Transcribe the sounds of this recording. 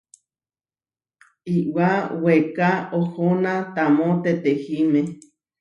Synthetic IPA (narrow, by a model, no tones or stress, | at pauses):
iwawekaohonãt̪amõt̪et̪ehime